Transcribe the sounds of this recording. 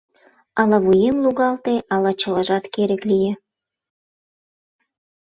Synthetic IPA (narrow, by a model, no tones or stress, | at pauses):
ɑlɑβujemluɣɑlt̪eʔɑlɑt͡ɕə̆ləʒɑt̪keɾə̆klijĕ